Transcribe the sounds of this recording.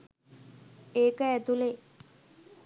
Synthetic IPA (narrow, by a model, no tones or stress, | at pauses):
eːkəɛt̪ule